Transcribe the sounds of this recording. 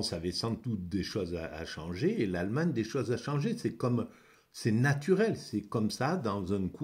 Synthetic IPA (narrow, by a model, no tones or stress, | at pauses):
savɛsɑ̃d̪ut̪̚d̪eʃozaa̰ʃɑ̃ʒeːlalmaɲd̪eʃozaʃɑ̃ʒesɛkɔm | sɛnat̪ʰyʁɛlsɛkɔmsad̪ɑ̃zɛ̃kʰu